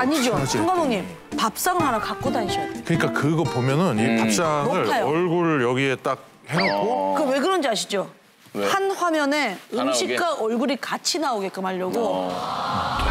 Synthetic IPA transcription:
aɲid͡ʑooŋɡadoŋɲim | pap̚s͈aŋɯɭɦanʌkak͈̚odaɲɕʰiokɯɲik͈akɯɡʌpomjʌnɯnipap̚s͈aŋɯɾʰajoʌɭɡuɾɯɭjʌɡie̞t͈ak̚ | henokkk͈okɯwe̞ɡɯɾʌnd͡ʑiaɕʰi̥d͡ʑo | hanɸwamjʌne̞ɯmɕʰikk͈aʔʌɭɡuɾikat͡ɕʰinaoɡe̞k͈ɯmaʎːʌɡo

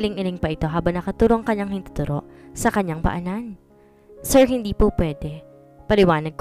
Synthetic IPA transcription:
lɪŋɪlɪŋpɐʔɪt̪o̞ɦaːbɐŋnɐkɐt̪uːɾoʔɐŋkɐɲːaŋhɪnt̪ʊ̥t̪ʊɾʔo̞̰ʔsɐkɐɲːaŋpɐ̰ʔɐnan | sɛɹɦɪnd̪iːpopwɛːd̪ɛ | pɐlɪwaːnɐd̪̚k

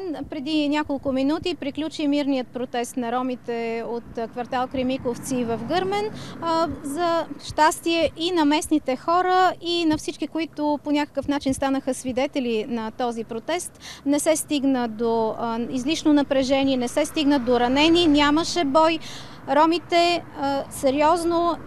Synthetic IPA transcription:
npɾɛd̪inʲakolˠkʊminut̪ipɾiklʲut͡ʃimiɾnijət̪̚pɾot̪ɛst̪nɐɾɔmit̪ɛot̪kvɐɾt̪alˠkɾɛmikoft̪sivɐfɡɤɾmɛn | zɐʃt̪ast̪iɛʔinɐmɛsnit̪ɛxɔɾəinɐfsit͡ʃkikoit̪ʊponʲakə̥kəfnat͡ʃinst̪anəxəsvid̪ɛt̪ɛlinɐt̪ɔzipɾot̪ɛst̪nɛsɛst̪iɡnəd̪oizliʃnonɐpɾɛʒɛniɛnɛsɛst̪iɡnəd̪oɾɐnɛninʲaməʃɛbɔj | ɾɔmit̪ɛsɛɾiɔzno

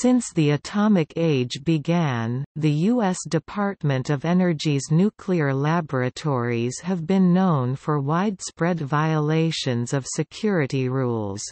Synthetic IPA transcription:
sɪ̃nsðiɨtʰɑmɨkʰeɪd͡ʒbɨɡæ̃nðɨjuɛsd̥ɨpʰɑɹt̚mɨ̃ntʌvɛnə˞d͡ʒiznʉkʰliə˞læbə˞ɨtʰɔɹiz̥ɨvbɨ̃nːõʊ̃nfə˞waɪd̥spɹɛdvaɪəleɪʃɨ̃nzʌv̥sɨkʰj̥ʊɹɨɾiɹulˠz̥

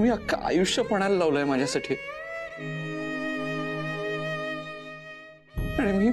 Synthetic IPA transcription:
m̤iːakʰːa̰ʔa̰juʂjəpəɽ̃alːaʋləjmad͡ʑʱjasaʈʰiː | aɽ̃emiː

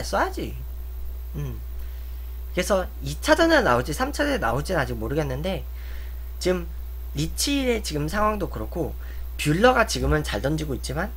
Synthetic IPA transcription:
aɭs͈ʌjad͡ʑi | ɯm | kɯɾesʰʌ | it͡ɕʰad͡ʑʌnɾanaod͡ʑisʰamt͡ɕʰad͡ʑʌna̰od͡ʑinɯnad͡ʑiɡ̚moɾɯɡe̞nːɯnde̞ | t͡ɕiɡɯm | ɾit͡ɕʰiːɾe̞t͡ɕiɡɯmsʰaŋɦwaŋdokɯɾʌkʰo | pjuɭːʌɡat͡ɕiɡɯmɯnt͡ɕaɭdʌnd͡ʑiɡoit̚t͡ɕ͈iman

